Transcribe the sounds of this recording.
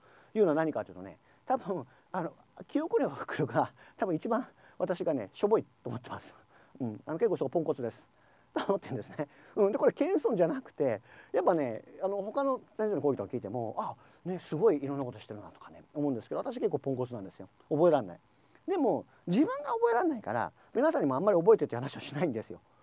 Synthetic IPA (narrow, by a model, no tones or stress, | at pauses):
jɯːnoanaɲ̟ikat̪eji̟t̪one̞̰ | t̪abɯ̟̃ | ano | kʲio̞kɯɾeβahɯ̥kɯ̟ɾɯɡat̪abɯ̟̃it͡ɕibã | βat̪aɕiɡane̞̰ɕo̞bo̞it̪ːoːmot̪ːemasɨ̥ | ɯ̃ɴano̞kekːosoɡopõ̞ŋko̞t͡sɨd̪e̞sɨ̥ | t̪omot̪ːeɯ̃nd̪sɨne | ɯ̟̃d̪eko̞ɾekẽ̞ɰ̃sõ̞ɲd͡ʑanakɯ̟̥t̪e̞japːane̞ano̞ho̞kano̞aionikoɡʲit̪okːakʲiːt̪emo̞a | ne̞sɨɡo̞iːɾonːakot̪oɕi̥t̪eɾɯ̟nd̪at̪o̥kane̞omo̞ɯ̃nd̪eskedoat̪aɕiakekːoːpõŋko̞t͡sɨnãnd̪e̞sɨjo | obo̞e̞ɾanːa̰i | d̪e̞mo̞ | d͡ʑibɯ̟̃ŋɡaobo̞e̞ɾanːaika̰ɾa̰ | mʲinasãɲ̟ːimoãmːaɾʲio̞bo̞e̞t̪et̪ːhanaɕioɕinaĩnd̪esɨjo̞̰